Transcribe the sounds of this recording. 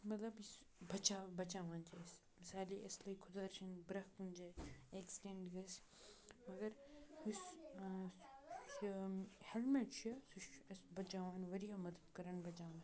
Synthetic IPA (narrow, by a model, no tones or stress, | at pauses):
mɐt̪lɐbis | bɐt͡ʃaːbɐt͡ʃaːʋaːnt͡ʃʰɐs | mɪsaːliʔɐslɐkʰʊd̪aːɾt͡ʃʰinbɾɐkund͡ʒeːeksʈẽɳɖɡɐs | mɐɡɐɾis | helmeʈt͡ʃʰɐsuʃɐsbɐt͡ʃaːʋaːnʋɐɾijamɐd̪əd̪kɐɾɐɳbɐt͡ʃaːʋɐ̃